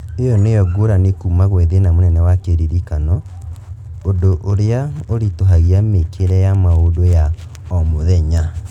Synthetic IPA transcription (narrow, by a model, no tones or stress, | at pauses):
ejɔnejɔɡoɾanekumaɣweðenamonɛnɛwakeɾiɾikanɔ | odoʔoɾeaoɾitoɦaɣiamekʰeɾɛjamaodoja | ɔmoðɛɲa